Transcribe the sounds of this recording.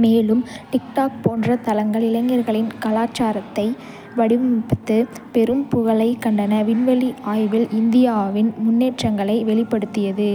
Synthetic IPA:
meːlɯmʈɪkʈaːk̚poːndrɐt̪ɐlɐŋɡɐɭɪlɐŋɡɐɾɣɐɭɪnkɐlaːt͡ʃaːɾɐt̪ːɐɪ | ʋɐɽɪʋɯmpɐt̪ːɯ | pɛɾɯmpʊɣɐɭɐɪkɐɳɖɐnɐʋɪnʋɐɭiaːjʋɪlɪnd̪ɪjaːʋɪnmʊnːeːʈrɐŋɡɐɭɐɪʋɛɭɪpːɐɽɯt̪ːɪjɐðɯ

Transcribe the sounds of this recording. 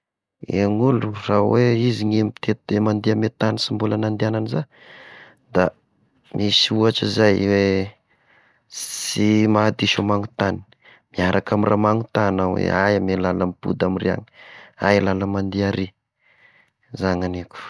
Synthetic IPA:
ḛŋuluraweiziŋemit̪ʰet̪emand̪iamet̪anisimbulanand̪iananiza | d̪a | mʔisiuaʈ͡ʂizajwe | simaːd̪iʃomaŋut̪ani̥ | miaɾʔakamira̰maŋut̪anawḛajamelalamipṵd̪amiria̰ŋi̥a̰ilalamand̪iaɾi | zaŋaneku̥

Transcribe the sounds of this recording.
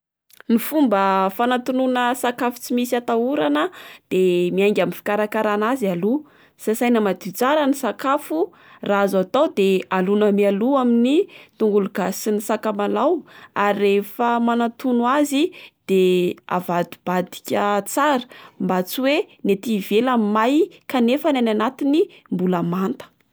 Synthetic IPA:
nifumbəfanat̪ununəsakafu̥t͡simisiat̪auɾanəd̪̥emiajŋɡʲaminfi̥kaɾakaɾanazialu | sasajnəmad̪it͡saɾənisakafu | raazat̪awd̪ealunəmialuaminit̪uŋɡuluɡ̥asinisakamalawaɾiːefəmanat̪unuazid̪̥ea̰vad̪ib̥ad̪i̥kʲət͡saɾə̥mbat͡siwenet̪ivelamajkanefanananat̪inimbuləmant̪ə̥

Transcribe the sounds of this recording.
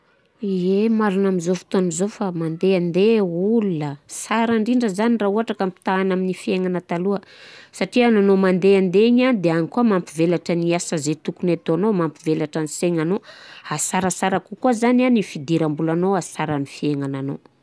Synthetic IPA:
iemaɾinamizofi̥t̪onizofamand̪eand̪eulunəsaɾaɳɖ͡ʐiɳɖ͡ʐəzanirauɦaʈ͡ʂakampi̥t̪aːnaminifieŋanət̪aluəsaʈ͡ʂiananomand̪eand̪eɲanid̪eaɲikuəmampivelaʈ͡ʂəniasazet̪ukunet̪oanomampivelaʈ͡ʂaniseɲanoasaɾəsaɾakukuəzananifid̪iɾambulanoasaɾanifieŋanano̰

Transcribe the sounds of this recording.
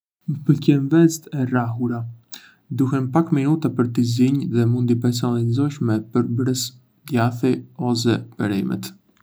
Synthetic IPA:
məpəlcɛnvɛzt̪ɛraɦuɾa | d̪uɦɛmpakminut̪apəɾt̪iziɲðɛmund̪ip̬ɛɾs̬ɔnalizɔʃmɛpəɾbɾəs | d̪jaθiɔs̬ɛbɛɾɛmɛ̰t̪

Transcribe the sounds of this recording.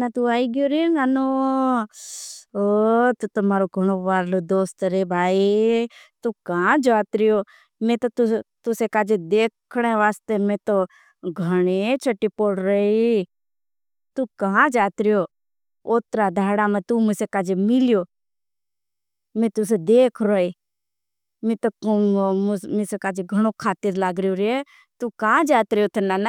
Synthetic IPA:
nat̪uːaːiɡjoːɾenaːnoː | ot̪ut̪əmaːɾoɡʱəɳ̃oːʋaːɾloːd̪oːst̪ɾeːbʱaːi | t̪uːkaãd͡ʒaːt̪ɾɪjoː | mẽːt̪ot̪ʊt̪ʊsekaːd͡ʒed̪eːkʰɽeːʋaːst̪emẽːt̪oː | ɡʱəɽ̃et͡ʃʰəʈːiːpoːɽɾəe | t̪uːkəɦãd͡ʒaːt̪ɾɪjoː | oːt̪ɾaːd̪ʱaːɽaːmẽt̪uːmɪsekaːd͡ʒemɪljoː | mẽːt̪ʊs̬ed̪eːkʰɾoiː | mẽːt̪o | mɪsekaːd͡ʒeɡʱəɽ̃oːkʰaːt̪iɾlaːɡɾɪjoːɾɪe | t̪uːkad͡ʒaːt̪ɾɪjoːt̪ʰənːaːn

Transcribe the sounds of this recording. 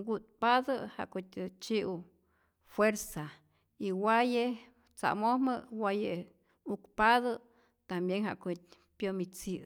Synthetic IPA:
ɡut̪̚paðəha̰ʔkot̪ʲet͡ʃiʔu | fweɾsa | iwaje | t͡sa̰mohməwaje | ukpaðə | t̪ambjeŋɦa̰ʔkot̚ | pjomit͡si

